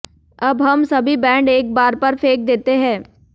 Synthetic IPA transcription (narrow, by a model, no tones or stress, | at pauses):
ɐbɦɐmsɐbʱibɛ̃ːɳɖeːk̚baːɾpɐɾfʰeːk̚d̪eːt̪eɦɛ̃ː